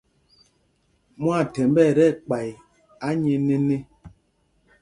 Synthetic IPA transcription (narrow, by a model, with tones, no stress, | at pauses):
mwa˦˨tɛ˨m˦bɛ˦˨ɾɛ˦˨k͡pa˨j | a˦ɲe˨ne˦ne˦